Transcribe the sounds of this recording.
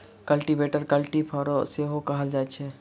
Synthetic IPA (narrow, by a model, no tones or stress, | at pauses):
kəlʈibeʈəɾkəlʈipʰɔːɾoseɦokɐɦəld͡ʒaːɛt͡ʃʰɛ